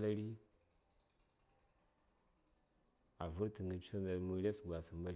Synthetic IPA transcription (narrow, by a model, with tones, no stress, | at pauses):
la˦ɾi˦ | a˨vu˦ɾti˨ŋɡə˨t͡ʃu˦na˨mu˦ɾe˦sɡʷa˨sə˨ma˦ɾ